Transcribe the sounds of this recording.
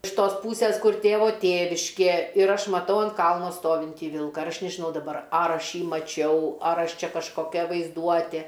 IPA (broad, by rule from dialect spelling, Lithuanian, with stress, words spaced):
ɪʃ ˈtoːs ˈpuːsʲeːs ˈkʊr ˈtʲeːʋoː ˈtʲeːʋʲɪʃʲkʲeː ɪr ˈɐʃ mɐˈtɐʊ ɐnt ˈkɐlˠnoː ˈstoːʋʲɪnʲtʲiː ˈʋʲɪlˠkɐ ɪr ˈɐʃ nʲɛʒʲɪˈnɐʊ dɐˈbɐr ˈɐr ˈɐʃ ˈjiː mɐˈt͡ʃʲɛʊ ˈɐr ˈɐʃ ˈt͡ʃʲɛ kɐʃkoːˈkʲɛ ʋɐɪzˈduɔtʲeː